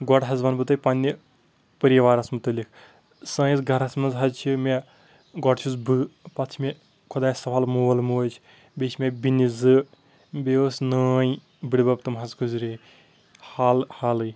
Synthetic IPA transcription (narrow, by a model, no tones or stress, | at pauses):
ɡɔɽɦɐzʋɐnbɨt̪ɐpɐnʲːi | pəɾijɐʋaːɾɐsmɨt̪ɨlʲikʰ | sɐ̃ːjizɡʱɐɾɐsmɐnzɦɐzt͡ʃʰimʲe | ɡɔʈt͡ʃʰuzbɨpɐt͡ʃʰmʲe | kʰud̪aːjsɐpʰalmuːɐlmuːt͡ʃʰ | bʲet͡ʃʰmʲebʲinʲizɨ | beosnɐːji | biɽʲbɐb̚t̪ɨmɦɐzkʰuzɾi | haːlhalɨj